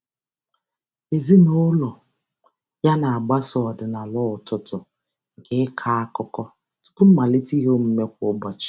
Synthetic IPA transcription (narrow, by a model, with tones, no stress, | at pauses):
e˨zi˦no˦lɔ˨ | ja˦na˨a˨ɡ͡ba˦sɔ˨ɔ˨dɪ˨na˨lɔ˦ʊ˨tʊ˦tʊ˨ | ŋ̩˨ke˦ɪ˦kʰa˦a˦kʊ˦kɔ˦ | tʊ̥˦kʊ˦m̩˦ma˨li˦ti˦ɦo˦m̩˦me˦kʷʊ˦ɡ͡ba˨t͡ʃɪ̥˦˨